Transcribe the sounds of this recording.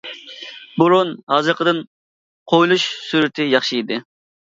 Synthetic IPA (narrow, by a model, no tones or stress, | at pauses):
buɾunhɑzɨɾqʰəd̪ɨn | qʰojlˠuʃsyɾɪt̪ʰɪjɑχʃid̪ɪ